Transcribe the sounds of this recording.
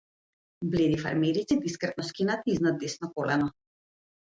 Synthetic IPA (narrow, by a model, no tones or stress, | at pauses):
blɛd̪ifa̰ɾmɛɾisɛd̪iskɾɛt̪̚nɔskinat̪aiznad̪ɛsnɔkɔlɛnɔ